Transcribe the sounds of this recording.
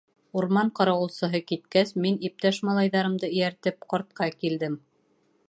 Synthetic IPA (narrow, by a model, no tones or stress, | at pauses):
uɾmɑɴqɑɾɑwɤ̆lˠsɤ̆ɦɤkit̪kæsminip̚t̪æʃmɑlˠɑjðɑɾɤ̆md̪ɤɘ̆jæɾt̪ɘp̚qɒɾt̪̚qɑkild̪ɘm